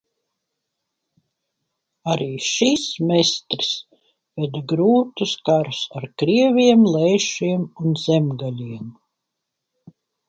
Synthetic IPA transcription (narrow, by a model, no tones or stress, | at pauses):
aɾiːʃismest̪ɾis | vɛd̪aɡɾuːt̪uskaɾusaɾkɾiɛvʲiɛmlˠɛːʃiɛmunz̥ɛmɡalʲiɛm